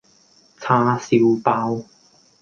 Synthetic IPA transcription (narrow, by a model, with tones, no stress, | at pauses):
t͡sʰaː˧si˧wpaː˧w